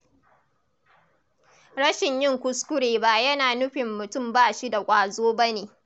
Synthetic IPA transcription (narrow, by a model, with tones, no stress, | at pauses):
ɽɐ˦ʃɪ˨ɲjɪ˦˨ŋkʷʊ˦skʷʊ˦ɽeː˨ba˦jɐ˦naː˨nʊ˦ɸɪ˨mːʊ˨tʊ˦˨mbaː˦˨ʃi˦da˨kʷʼaː˨zoː˦ba˦neː˨